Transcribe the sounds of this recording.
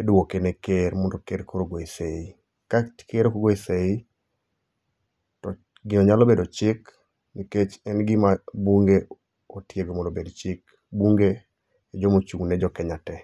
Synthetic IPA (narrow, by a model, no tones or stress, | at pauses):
edʊwokenekeɾmɔndokeɾkoɾoɡwoisei | kḁkeɾokoɡoisei | tɔ | ɡɪɔɲalobedot͡ʃɪk | niket͡ʃɛnɡɪmabuŋɡe | otjeɡomɔndobedt͡ʃɪk | buŋɡe | d͡ʒɔmot͡ʃuŋnɛd͡ʒɔkɛɲatɛ